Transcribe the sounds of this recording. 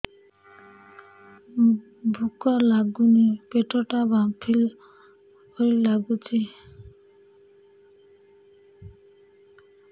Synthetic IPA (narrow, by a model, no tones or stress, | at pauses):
bʱukɔlaɡunipeʈɔʈabapʰil | hojlaɡut͡ʃʰi